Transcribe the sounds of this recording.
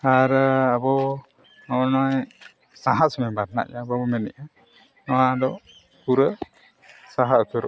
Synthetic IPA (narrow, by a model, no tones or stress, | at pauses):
aɾabɔ | nɔnɔj | sãɦasmɛbaɾna̰ʔjabɔbɔmɛnɛ̰ʔa | nɔwad̪ɔ | puɾə | saɦaʔkʰəɾ